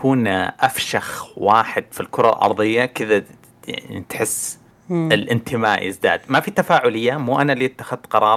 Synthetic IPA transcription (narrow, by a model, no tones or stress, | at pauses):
kuːnʔafʃaxwaːħɪd̪filkʊɾˤɑlʔɑ̰ɾˤðˤɨjːakɪða | ja̰nḭt̪ħɪsː | ɪlʔɪnt̪ʰɪmaːʔjɪ̰zd̪a̰ːd̪mafit̪afaːʕʊlɪjːamuːʔanaliʔɪt̪ːḁxɪðt̪qɑɾˤɑːˤ